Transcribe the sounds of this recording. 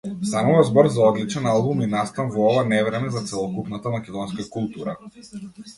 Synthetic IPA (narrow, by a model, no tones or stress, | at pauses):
st̪amuvazbɔɾzaɔd̪lit͡ʃɛnalˠbuminast̪anvɔɔvanɛvɾɛmɛzat̪sɛlˠɔkupnat̪amakʲɛd̪ɔnskakulˠt̪uɾa̰